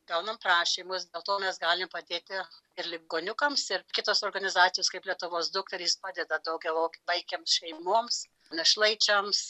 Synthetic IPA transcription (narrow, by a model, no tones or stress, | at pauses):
ɡɐʊnɐmprɑːʃʲiːmʊsd̪ʲeɛlˠt̪oːmʲɛsɡɑːlʲɪmpɐd̪ʲeːt̪ʲɪɪɾlʲɪb̚ɡoːnʲʊkɐmsɪrkʲɪt̪oːsoːrɡɐnʲɪzɑːt̪sʲɪjoːskɐɪplʲiɛt̪ʊʋoːsd̪ʊk̚t̪ɐɾʲispɑːd̪ʲɛd̪ɐd̪ɐʊɡʲɛɐʊkʲbɐɪkʲeːmsʃʲɛɪmuɔms | nʲɛʃlˠɐɪt͡ʃʲɐms